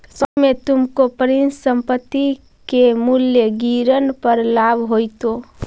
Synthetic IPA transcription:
səbmet̪umkopəɾinssəmpət̪ːi | kemuljəɡiɾənpəɾlabʱɦojt̪o

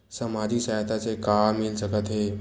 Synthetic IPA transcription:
səmad̪ʱiːsajt̪at͡sekamːilsəkət̪ɦe

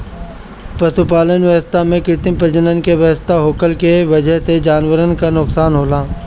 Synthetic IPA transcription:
pɐʃupaːlənʋəʋəst̪ʰamẽkɾɪt̪ɪmpɾəd͡ʒənənkeʋjɐʋəst̪ʰaɦoːkəlkeʋɐd͡ʒəɦsed͡ʒaːnʋəɾənkanʊksaːnɦoːlaː

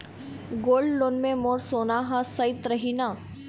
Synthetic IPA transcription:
ɡoːlɖloːnmẽmoːɾsoːnaɦãsɐɪt̪ɾɐɦina

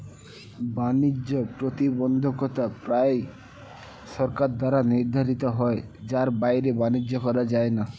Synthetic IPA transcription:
banid͡ʒopɾot̪ibɔnd̪ʱokɔt̪apɾae | ʃɔɾkaɾd̪aɾaniɾd̪ʱaɾit̪oɦɔed͡ʑaɾbajɾebanid͡ʑːokɔɾad͡ʑaena

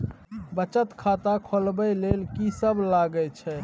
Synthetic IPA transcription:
bət͡ʃət̪kʰat̪akʰolbəjlelkisəblaɡət͡ʃʰɛ

